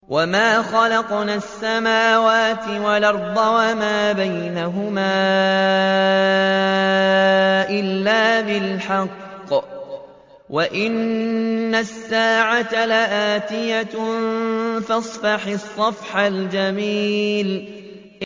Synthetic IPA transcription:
wʔamaːxɑlɑqnaːsːamaːwaːt̪ɪwalɑɾˤd̪ˤɑwamaːbajnaɦʊmaː | ʔɪlːaːbɪlħɑqː | wʔaʔɪnː | asːaːʕat̪alaʔaːt̪ɪja | fɑsˤfɑħɪsˤːɑfħald͡ʒamiːl

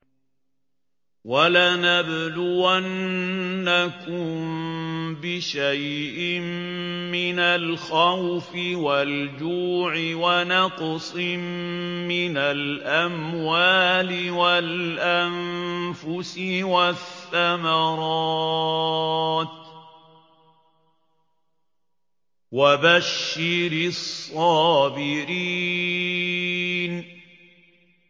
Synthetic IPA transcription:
walaːnabd̪ʊanː | akʊm | bɪʃajʔɪmmɪnalxawfɪwald͡ʒuːʕɪwanɑqsˤɪmmːɪnalʔamwaːlɪwalʔanfʊsɪwaθːamɑɾˤɑː | t̪ | wabaʃːɪɾɪsˤːɑːbɪɾiː | n

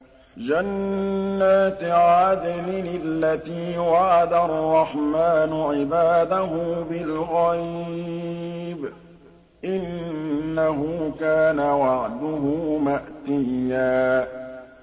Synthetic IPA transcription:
d͡ʒanː | aːt̪ʕaːd̪ɪlɪnɪlːat̪iːwaʕad̪arˤːɑħmaːnʊʕɪbaːd̪aɦʊbɪlɣaj | b | ʔɪnː | aɦʊkaːnawɑʕd̪ʊɦʊmaʔt̪ɪjjːaː

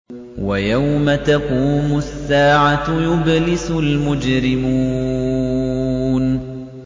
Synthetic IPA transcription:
wajawmat̪aquːmʊsːaːʕajʊblɪsʊlmʊd͡ʒɾɪmuː | n

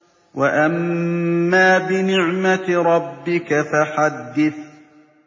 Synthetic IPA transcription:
waʔamː | aːbɪnɪʕmaɾˤɑbːɪkafaħad̪ːɪθ

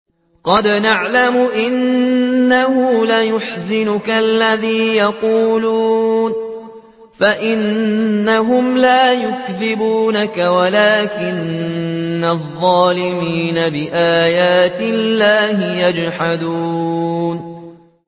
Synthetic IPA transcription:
qɑd̪naʕlamʊʔɪnː | ahʊlajʊħzɪnʊkalːaðiːjɑquːluːn | faʔɪnːaɦʊmlaːjʊkðɪbuːnakawalaːkɪnː | aðˤːɑːlɪmiːnabɪʔaːjaːt̪ɪllːaːhɪjad͡ʒħad̪uːn

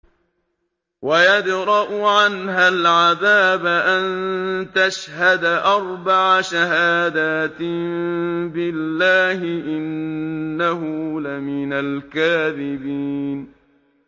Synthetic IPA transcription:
wajad̪ɾˤɑʔʊʕanɦalʕaðaːbaʔant̪aʃhad̪aʔɑɾˤbaʕaʃaɦaːd̪aːt̪mbɪlːaːhɪʔɪnː | aɦʊlamɪnalkaːðɪbiːn

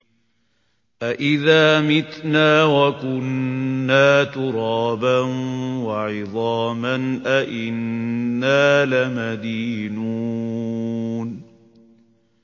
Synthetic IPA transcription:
ʔaʔɪðaːmɪt̪naːwakʊnːaːt̪ʊɾɑːbanwaʕɪðˤɑːmanʔaʔɪnːaːlamad̪iːnuː | n

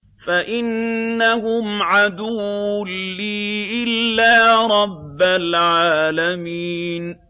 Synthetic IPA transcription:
faʔɪnːahʊmʕad̪ʊwːʊːiːʔɪlːaːɾˤɑbːalʕaːlamiːn

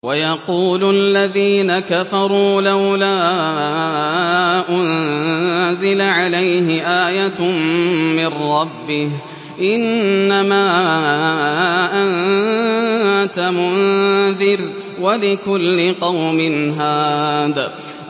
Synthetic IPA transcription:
wajɑquːlʊʔalːaðiːnakafɑɾˤuːlawlaː | ʔʊn | zɪlaʕalajɦɪʔaːjat | mɪrɾɑbːɪh | ʔɪnːamaː | ʔan | t̪amʊnðɪɾ | walɪkʊlːɪqɑwmɪnɦaːd̪ː

